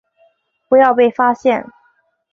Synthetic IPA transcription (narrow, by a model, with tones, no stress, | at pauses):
pu˧˥jɑ˥˧ʊpe˥˩ɪfa˥ɕjɛ˥˩n